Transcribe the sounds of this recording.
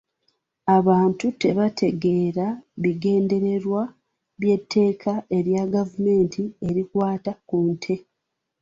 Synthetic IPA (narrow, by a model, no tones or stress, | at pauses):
aβaːntute̞βatʰe̞ɡe̞ːɾaβiɡe̞ːnde̞ɾe̞ɾwa | βje̞tʰːe̞ːkʰaʔe̞ɾjaɡavume̞ːntʰie̞ɾikwaːtakuːntʰe̞